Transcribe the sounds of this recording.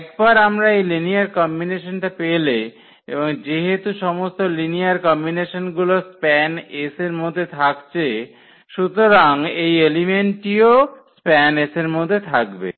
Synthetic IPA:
ɛkbaɾamɾaejliniaɾkɔmbineʃonʈapele | ḛboŋd͡ʑeɦet̪uʃɔmost̪oliniaɾkɔmbineʃonɡulospɛneseɾmod̪ʱːet̪ʰakt͡ɕʰe | ʃut̪oɾaŋejelimeɳʈiospɛneseɾmod̪ʱːet̪ʰakbḛ

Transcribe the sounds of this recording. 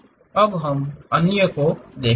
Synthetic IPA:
ɐbɦɐmənjəkod̪eː

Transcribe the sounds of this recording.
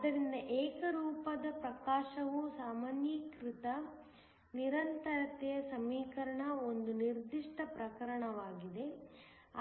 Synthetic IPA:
ɐd̪ɐɾind̪ɐʔeːkɐɾuːpɐd̪ɐpɾɐkaːʃɐʋusaːmaːnjɐkɾit̪ɐ | niɾɐnt̪ɐɾɐt̪ɛjɐsɐmiːkɐɾɐɳɐo̞nd̪uniɾd̪iʂʈɐpɾɐkɐɾɐɳɐʋaːɡid̪e̞

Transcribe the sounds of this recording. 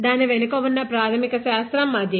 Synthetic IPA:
d̪aːniʋenukɐʋunːɐpɾaːt̪ʰɐmikɐʃaːst̪ɾɐmːaːd̪ʱjɐ

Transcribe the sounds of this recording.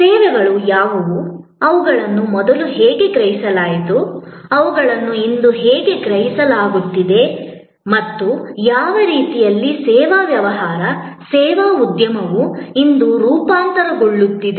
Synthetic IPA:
sɛːʋɛɡɐɭujaːʋɐʋu | ɐʋuɡɐɭɐnːumɔd̪ɐluɦɛːɡe̞kɾɐɦisɐlaːjit̪uɐʋuɡɐɭɐnːuind̪uɦɛːɡe̞kɾɐɦisɐlaːɡut̪ːid̪e̞ | mɐt̪ːujaːʋɐɾiːt̪ijɐlːisɛːʋaːʋjɐʋɐɦaːɾɐsɛːʋaːud̪jɐmɐʋuind̪uɾuːpaːnt̪ɐɾɐɡoɭːut̪ːid̪e

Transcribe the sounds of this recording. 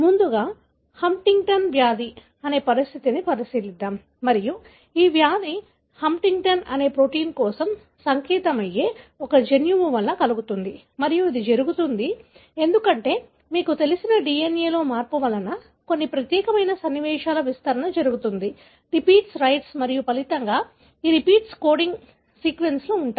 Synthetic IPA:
mund̪uɡaː | hɐmʈiŋɡʈɐnʋjaːd̪i | ɐne̞ːpɐɾist̪ʰit̪inipɐɾisiːlid̪ːaːmːɐɾiju | iːʋjaːd̪i | hɐmʈiŋɡʈɐnɐne̞ːpɾo̞ːʈiːnkɔːsɐm | sɐŋkɛːt̪ɐmɐje̞ːɔkɐd͡ʒenjuʋuʋɐlːɐkɐluɡut̪und̪i | mɐɾijuid̪id͡ʒɐɾuɡut̪und̪i | e̞nd̪ukɐɳʈe̞ː | miːkut̪e̞lisinɐɖiːjeneːlo̞ːmaːɾpuʋɐlɐnɐ | konːipɾɐt̪jɛːkɐmɐjnɐsɐnːiʋɛːʂaːlɐʋist̪ɐɾɐnɐd͡ʒɐɾuɡut̪und̪i | ɾipiːʈsɾɐjʈsmɐɾijupɐlit̪ɐŋɡaː | iːɾipiːʈskoːɖiŋɡ | siːkʋe̞nslouɳʈa

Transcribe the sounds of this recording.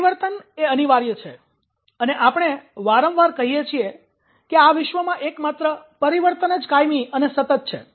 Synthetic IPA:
ʋəɾt̪əneəniʋaɾjət͡ʃʰe | əneʔapɽɳ̃eʋaɾə̃mʋaɾkəɦijet͡ʃʰie | keaʋɪʃʋəmãʔekmat̪ɾəpəɾiʋəɾt̪ənəd͡ʒkajmiənesət̪ət̪̚t͡ʃʰḛ

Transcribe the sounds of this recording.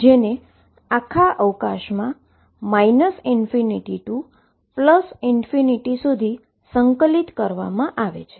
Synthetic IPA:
d͡ʒene | akʰaʔəʋkaʃmã | mainəsinfiniʈiʈũ | pləsinfiniʈisud̪ʱi | səŋkəlit̪kəɾʋa̰mãʔaʋḛt͡ʃʰe̥

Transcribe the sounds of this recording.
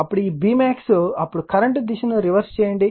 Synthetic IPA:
ɐpːuɽuiːbiːmaːksuɐpːuɽukɐɾɐɳʈd̪iʃɐnuɾiʋɐɾst͡ʃɛːjɐɳɖi

